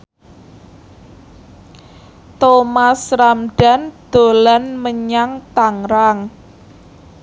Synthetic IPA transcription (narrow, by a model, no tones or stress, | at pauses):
t̪omasɾamɖ̥a̤nd̪̥o̤lanməɲaŋt̪aŋɾaŋ